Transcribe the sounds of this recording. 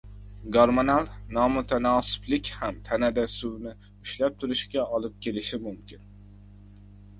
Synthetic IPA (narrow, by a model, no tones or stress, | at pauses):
ɡoɾmonalˠnɒmʊt̪ʰanɒsɪ̥blɪkʲhamt̪ʰanad̪asʊwnɪ | ʊʃlap̚t̪ʰʊɾɪʃɡʲaɒlˠɪp̚kʲʰe̞lɪʃɪmʊmkʲʰɪn